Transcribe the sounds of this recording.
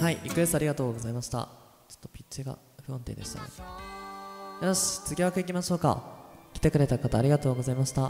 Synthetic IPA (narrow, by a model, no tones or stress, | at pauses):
haiʔikɯ̟est̪aɾiɡat̪o̞ːɡo̞zaimaɕi̥t̪a̰ | t͡ɕo̥t̪ːopʲi̥tt͡ɕiɡa̰ | ɸɯ̟õnt̪ḛːd̪e̞ɕi̥t̪a̰ḛ | jaɕt͡sɨɡʲiβakɯikʲimaɕo̞ːka̰kʲi̥t̪e̞kɯɾe̞t̪akat̪aːɾʲiɡat̪o̞ːɡo̞zaimaɕi̥t̪a